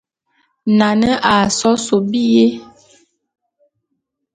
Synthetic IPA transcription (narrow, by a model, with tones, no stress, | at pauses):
na˨nə˦ʔa˨sɔ˦so˨bi˦je˦